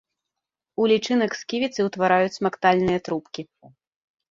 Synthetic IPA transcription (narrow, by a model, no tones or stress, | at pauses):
ulʲit͡ʂɨnɐkskʲivʲit̪sɨwt̪vaɾajut͡sʲmakt̪alʲnɨjɐt̪ɾupkʲi